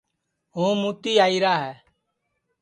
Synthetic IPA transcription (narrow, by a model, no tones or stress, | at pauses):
ɦõːmuːt̪iːaːiːɾaːɦɛː